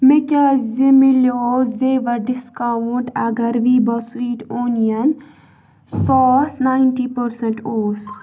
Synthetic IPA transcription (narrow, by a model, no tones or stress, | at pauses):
mɪkazimiloːzeːʋɐɾɖɪskawʊɳʈɐɡɐɾʋibɐswiːʈoːnijɐn | sɔːsnaːɪnʈipəɾsəɳʈoːs